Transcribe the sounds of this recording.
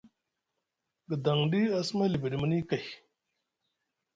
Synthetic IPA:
ɡə˨d̪ɐ˨ŋɖiː˦ɐ˦smɐ˦li˨bi˨ɽi˨mɐ˦ni˦kɐ˨j

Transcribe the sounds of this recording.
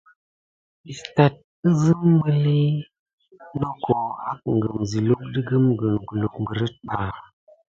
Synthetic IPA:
ɓi˨sta˨t̚ | ə˦zɨ˦m˦bə˦li˦ | no˦ko˨ha˦k̚ŋ˨ɡə˨mzi˨lu˦k̚di˦ɡə˦mɡə˨ŋɡə˨lo˨kmbə˨ɾə˦t̚ɓa˨

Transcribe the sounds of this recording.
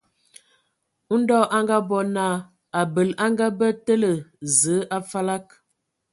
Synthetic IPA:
dɔ˦ʔa˦ŋɡa˦bɔ˦na˦˨ | a˨bə˨la˦ŋɡa˦bə˦tə˦lə˨zə˨˦ʔa˦fa˦la˦k̚

